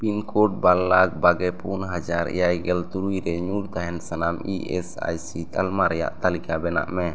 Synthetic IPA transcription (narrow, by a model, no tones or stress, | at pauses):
pinkʰoʈ̚balːaɡ̚baɡɛpʰunɦad͡ʒaɾɛ̰jajɡɛlt̪uɾujɾɛɲuɾt̪aɦɛnsanamiɛsa̰jsit̪almaɾɛja̰ʔt̪alikabɛna̰ʔmɛ